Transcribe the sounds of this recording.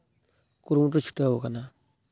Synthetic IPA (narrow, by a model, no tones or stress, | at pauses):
kuɾmutut͡ʃʰu̥tawukana